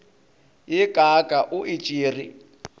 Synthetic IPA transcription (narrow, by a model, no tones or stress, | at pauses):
jɪkʼakʼaʔʊʔɪt͡ʃʼiːri